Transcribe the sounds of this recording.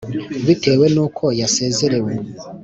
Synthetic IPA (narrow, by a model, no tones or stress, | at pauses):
βiteːwɛnokʰɔjasezeɾewɔ